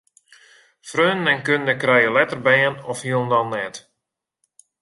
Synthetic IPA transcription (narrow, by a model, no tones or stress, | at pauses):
frøːnɛnkønəndəkrɛjəlɛtərbɛːənɔfhiəlˠndɔnːɛt